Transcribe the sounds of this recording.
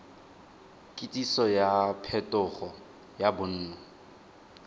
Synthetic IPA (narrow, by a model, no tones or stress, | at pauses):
kʼɪtʼisɔjapʰɛtʼʊχɔ | jabʊn̩ːnɔ